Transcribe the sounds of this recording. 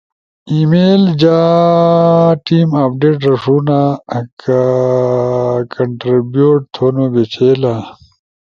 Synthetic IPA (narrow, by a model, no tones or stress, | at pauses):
imeːld͡ʑa | ʈiːmap̚ɖeːʈɾɐʂuːnaka | kʰɐɳʈɾibjuːʈ̚t̪ʰonobet͡ɕʰeːla